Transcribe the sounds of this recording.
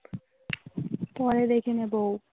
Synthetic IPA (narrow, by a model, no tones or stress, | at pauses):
pɔɾed̪ekʰinebow